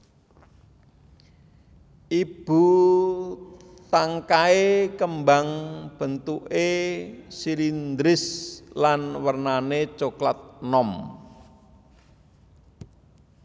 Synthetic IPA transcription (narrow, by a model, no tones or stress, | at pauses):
ʔib̥ṳ | t̪aŋkaekəmbaŋb̥ə̤nt̪uʔesilind̪ɾɪslanwərnanet͡ʃoklat̪̚nɔm